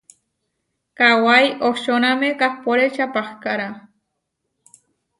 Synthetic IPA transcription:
kawajʔoʃonamekahpoɾet͡ʃapahkaɾa

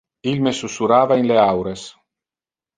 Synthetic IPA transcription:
ilmesusuɾaːvainleawɾes

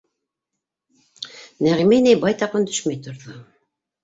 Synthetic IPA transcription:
næʁimænæjbɑjt̪ɑqɤnd̪ɵʃmæjt̪ŏɾðo

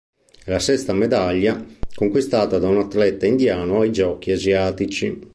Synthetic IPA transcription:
ɛlasɛst̪amɛd̪aʎːakoŋkwist̪aːt̪ad̪aunat̪ːlɛt̪ːaind̪jaːnoaid͡ʒɔːk̟iaziaːt̪it͡ʃi

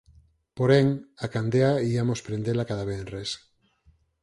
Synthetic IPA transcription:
poɾeŋakand̪eaiamospɾend̪elakaðaβenres

